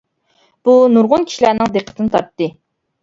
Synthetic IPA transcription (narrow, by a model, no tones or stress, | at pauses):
b̥unuɾʁʊnkʲʰi̥ʃilæɾnɪŋd̪eqʰə̥t̪ʰɨnɨt̪ʰɑ̰ɾt̪ːɨ